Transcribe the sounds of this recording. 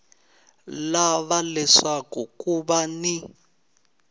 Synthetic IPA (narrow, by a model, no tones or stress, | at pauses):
laβalɛʂakukuβani